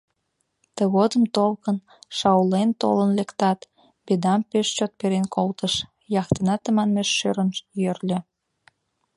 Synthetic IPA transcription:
t̪əɣod̪əmt̪olkən | ʃɑulent̪o̰lənlekt̪ɑt̪ | bed̪ɑmpeʃt͡ɕot̪̚peɾenkʰolt̪əʃ | jɑxt̪ənɑt̪əmɑnmeʃːøɾənjørlʲø̆

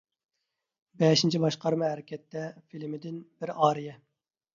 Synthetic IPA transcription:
bɛʃint͡ʃʰibɑʃqɑɾmɑɦæɾɪkʲɛt̪ʰːɛfilmɪd̪ɪnb̥ɪɾɑːɾijɛ

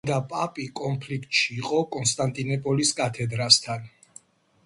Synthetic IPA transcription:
d̪apʼapʼikʼɔnpʰlikʰt̪ʼʃiːqʼɔkʼɔnst̪ʼant̪ʼinɔpʼɔliskʼat̪ʰɛd̪ɾast̪ʰan

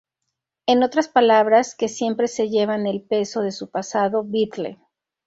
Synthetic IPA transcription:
e̞no̞t̪ɾaspalaβɾaske̞sje̞mpɾe̞se̞ʝe̞βane̞lpe̞so̞ðe̞supasaðo̞βit̪lḛ

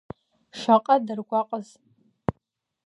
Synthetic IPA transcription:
ʂʷaqʼadɨrɡʷaqʼəz

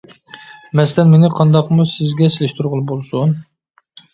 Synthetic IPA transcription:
mɛslɛnmenɪqʰɑnd̪ɑqmusɪzɡʲɛselɪʃt̪ʰuɾʁʊlˠɨbolˠsun

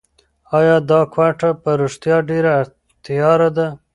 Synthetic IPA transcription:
ɑjɑd̪ɑkwaʈapəɾuʂt̪jɑɖeɾa | t̪jɑɾad̪a

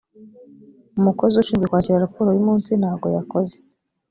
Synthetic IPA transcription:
umuko̞zuʃiːmɡekwaːciɾaɾapuːɾowimuːnsin̥haːbɡo̞jakoze

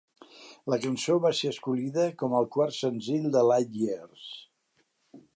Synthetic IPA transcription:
ləkənsoβaseəskuliðəkɔməlˠkwarsənziʎd̪əlajʎiers

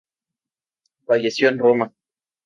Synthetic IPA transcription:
fajesjonroma

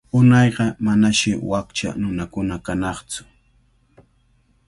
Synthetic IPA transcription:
ʊnɑjɢɑmanaʃɪwakt͡ʃa̰nʊnakʊnakanɑχt͡sʊ̥

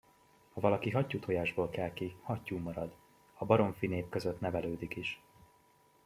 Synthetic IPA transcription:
hɒvɒlɒkiɦɒcːut̪ʰojaːʒboːlkɛlkihɒcːuːmɒɾɒd̪ | ɒbɒɾo̞ɱfineːpkø̞zøt̪nɛvɛløːd̪ikiʃ

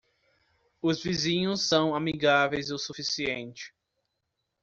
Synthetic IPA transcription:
ʊzvizĩɲʊsːɐ̃w̃amiɡavejzowsufisiẽnt͡ʃɪ̥

